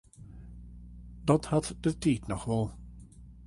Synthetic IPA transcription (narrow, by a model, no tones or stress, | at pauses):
d̥ɑthɑtd̥ətiːtnɔχʋɛlˠ